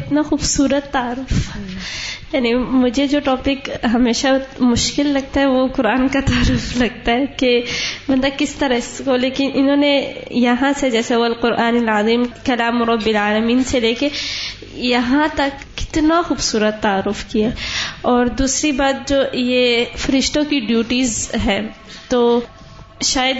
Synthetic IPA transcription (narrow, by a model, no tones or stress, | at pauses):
ɪt̪naxuːbsuːɾət̪ːaaɾːʊf | jaːnimʊd͡ʒʱed͡ʒoːʈɔːpɪkɦɐmeːʃamʊʃkɪlːɐɡ̚t̪aɦɛʋoqʊɾaːnkat̪aːɾʊflɐɡ̚t̪aɦɛkemɐ̃nd̪ɐkɪst̪ɐɾəkoleːkɪnʔɪnɦõːnejɐɦãsed͡ʒɛːseʋɐlqʊɾʔaːnɪlaziːmkɐlaːmʊɾɐbːɪlaːlɐmiːnseleːke | jɐɦãt̪ɐkːɪ̥t̪naxuːbsuːɾət̪ːaːɾːʊfkiaɔːɾd̪uːsɾibaːt̪̚d͡ʒoːjefɐɾɪʃt̪õkiɖjuːʈizɦɛ̃ː | t̪oː | ʃaːjəd̪